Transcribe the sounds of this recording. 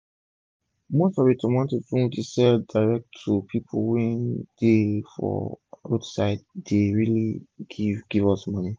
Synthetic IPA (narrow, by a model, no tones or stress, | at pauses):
mostɔvitʰɔ̃mwãntudũdisɛldaɪɹɛk̚tʰːupʰipʰolwɛ̃nd̥efɔ̰ɹodsaɪd̚deɹiliɡivɡ̥ivɔsmʌni